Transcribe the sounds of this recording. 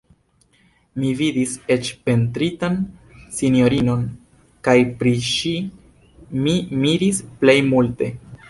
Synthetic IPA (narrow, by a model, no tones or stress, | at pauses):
mividise̞t͡ʃpe̞ntɾitansinjo̞ɾino̞n | kajpɾiʃi | mimiɾisple̞jmulte̞